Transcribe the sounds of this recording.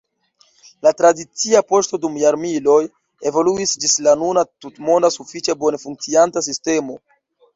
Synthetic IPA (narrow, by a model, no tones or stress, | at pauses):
latɾadit͡siapo̞ʃto̞dumjaɾmilo̞j | e̞vo̞luisd͡ʒislanunatutmo̞ndasufit͡ʃabo̞nefuŋk̚t͡siantasiste̞mo̞